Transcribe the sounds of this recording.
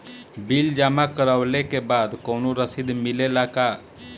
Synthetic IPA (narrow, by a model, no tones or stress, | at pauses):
bild͡ʒaːmakəɾəːlekebaːd̪koːnoɾəsid̪mɪlelaka